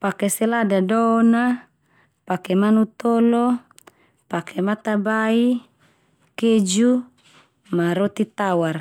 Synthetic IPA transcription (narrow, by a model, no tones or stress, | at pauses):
pakeseladadɔna | pakemanut̪ɔlɔ | pakʰemat̪abai | ked͡ʒu | maɾot̪it̪awar